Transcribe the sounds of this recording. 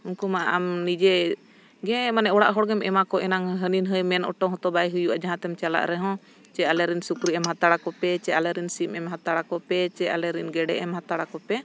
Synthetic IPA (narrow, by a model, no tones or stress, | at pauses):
unkumaʔʔamnid͡ʒɛ | ɡɛ̃manɛɔɽaʔɦɔɽɡɛmʔɛmakɔʔɛnaŋɦəninɦəjmɛnʔɔ̰ʈɔɦɔt̪ɔbajɦujuʔad͡ʒaɦãt̪ɛmt͡ʃala̰ʔɾɛɦɔ̃ | t͡ʃɛalɛɾinsukɾiɛmhat̪aɽakɔpɛt͡ʃɛalɛɾinsimɛmɦat̪aɽakɔpɛt͡ʃɛalɛɾinɡɛɖɛʔɛmhãt̪aɽakɔpɛ